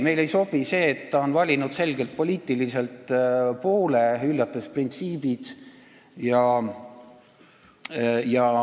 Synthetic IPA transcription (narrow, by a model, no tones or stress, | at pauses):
me̞jle̞jso̞b̥ise̞ːt̪ːɑonvɑlʲinud̪̥se̞lɡ̥e̞lt̪̚po̞liːt̪ilise̞lt̪ˑpo̞ːleylːɑt̪ːˑesprint̪siːbid̪̥ | jɑ | jɑ